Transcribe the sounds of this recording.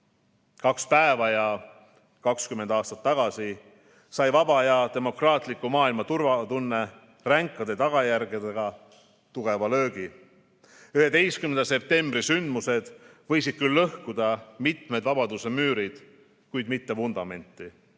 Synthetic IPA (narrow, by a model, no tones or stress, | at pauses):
kɑkspæevɑjɑ | kɑkskymːe̞nd̪ɑːst̪ɑt̪ːɑɡ̥ɑsi | sɑjvɑbɑjɑt̪e̞mo̞krɑːt̪ˑlikːˑumɑːilmɑt̪urvɑt̪unːe̞ | ræŋkːˑɑd̪̥e̞t̪ɑɡ̥ɑjærɡ̥ed̪eɡ̥ɑ | t̪uɡ̥e̞vɑlø̞ːɡi | yhe̞t̪e̞jskymend̪̥ɑse̞p̚t̪e̞mbɾisynd̪muse̞d̪̥vɤ̞jsid̪̥̚kylːɤhkud̪̥ɑmit̪me̞d̪vɑbɑd̪use̞myːɾid̪̥ | kujd̪̥mit̪ːe̞vund̪̥ɑme̞nʲt̪ˑːi